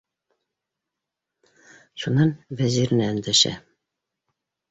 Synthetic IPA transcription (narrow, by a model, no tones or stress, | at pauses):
ʃunːɑnvæzʲiɾnæːnd̪æʃæ̰